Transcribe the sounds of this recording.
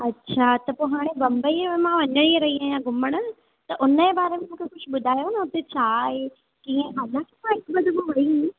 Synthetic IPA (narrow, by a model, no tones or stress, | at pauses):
ɐtːɕʰaːt̪ɐpoɦaːɽ̃ẽbɐ̃mbəimãʋɐɲəɽ̃ieɾɐɦiãjãɡʊməɽ̃ʊ̆ | t̪ɐʔʊnəebaːɾemẽmũːkʰexʊʃɓʊd̪ʱaːjonɐʊt̪et͡ɕʰaːɦe | kĩːẽaːlãkʰemãɪkbɐd̪ʱbũʋɐɦĩ